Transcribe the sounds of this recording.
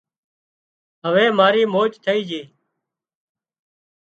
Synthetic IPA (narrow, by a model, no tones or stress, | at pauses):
ɦəʋẽːmaːɾiːmoːt͡ʃt̪ʰəiːd͡ʒeː